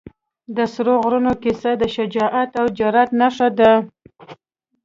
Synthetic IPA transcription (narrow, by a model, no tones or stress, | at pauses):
d̪əsɾoɣɾunokisad̪əʃad͡ʒɑʔat̪awd͡ʒaɾat̪naʂad̪a